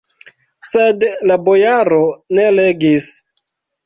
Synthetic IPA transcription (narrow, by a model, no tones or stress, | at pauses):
sedlabojaɾone̞leɡis